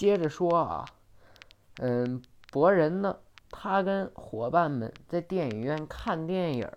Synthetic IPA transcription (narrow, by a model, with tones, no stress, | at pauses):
t͡ɕjɛ˥ʈ͡ʂə˨ʂwɔ˥ɐ̰˩ | ə˥˧˩ | pwɔ˧˥ɻə˧˥nd̪ə˧t̪ʰa˥kə˥nxwɔ˧˥pa˥˩nmə̰˨˩nt͡sa˥˧ɪt̪jɛ˥˩ni˨˩ɥɛ˥˧nkʰa˥˧nt̪jɛ˥˩njə̰˨˩˥